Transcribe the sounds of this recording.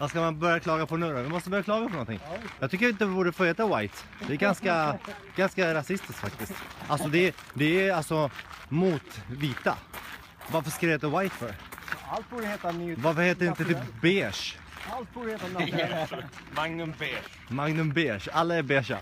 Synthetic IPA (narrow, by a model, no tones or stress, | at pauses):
vaskamanbœɾjakʰlɑːɡapʰɔnɵːɾavɪmɔst̪əbœɾjaklɑːɡapʰɔnɔnt̪ʰɪ̰ŋjɑːɡt̪ʏkːəɾɪnt̪̬əvɪbuːɖəfoːheːt̪awajt̪ | d̪ɛɛɾɡanska | ɡ̥anskaɾasɪst̪ɪsk̪fak̚t̪ɪskt̪ʔalsɔd̪ɛd̪ɛːalsɔmuːt̪viːt̪a̰ | vaɾfəʂkaɾet̪ɛwajt̪fœɾalt̪̚buːdəheːt̪anvaɾfəɾheːt̪əɾɪnt̪ət̪ɪbeːʂ | alt̪̚buːɾəheːt̪ana | maŋnɵnbeː | maŋnɵmbeːʂalːaɛɾbeːʂa̰